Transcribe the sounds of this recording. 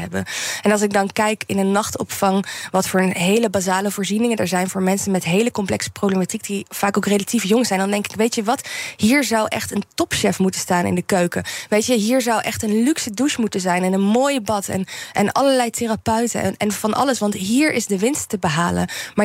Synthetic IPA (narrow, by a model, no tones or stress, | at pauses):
ɦɛbəɛnɑlˠsɪɡ̚dɑnkɛjkɪnənːɑχtɔ̰pfɑŋʋɑtfʊːɹɦejləbaːzaːləvʊːɹzinɪŋənəɹzɛjnvʊːɹmɛnsənmɛtɦejləkɔmplɛksə̥prowblematik̚div̥aːkowkrelatifjɔŋzɛjndɑndɛŋkɪ̥kʋejtjəʋɑtɦiːɹzɑwʔɛ̰χtəntɔpʃɛfmutənstaːnɪ̰ndəkøɥkəʋejtjəɦiːɹzɑwʔɛχtənlyksəduʃmutəzɛjnɛnənmoːjəbɑtɛ̰nʔɛnɑ̰ləɹlɛjtɪrapœɥtə̰ɛ̰nɛnvɑnʔɑ̰ləsʋɑntɦiːɹʔɪzdəʋɪnstːəbəɦaːlə̰nmaː